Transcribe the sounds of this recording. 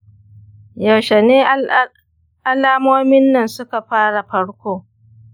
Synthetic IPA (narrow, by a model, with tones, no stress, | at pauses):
jɐ˨wʃɛ˨neː˦ | ʔa˦laː˦moː˦mɪ˦nːɐ˨nsʊ˦ka˨ɸaː˦ɽa˨ɸɐ˦ɽkʷoː˦